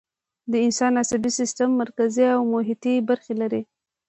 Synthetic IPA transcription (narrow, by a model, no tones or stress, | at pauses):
d̪əɪnsɑnasabisɪst̪amːaɾkaziawmʊɦɪt̪ibaɾxelaɾe